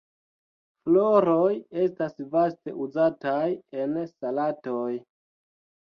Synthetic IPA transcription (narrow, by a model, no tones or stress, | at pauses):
flo̞ɾoje̞stasvaste̞̰ʔuzataje̞nsalato̞j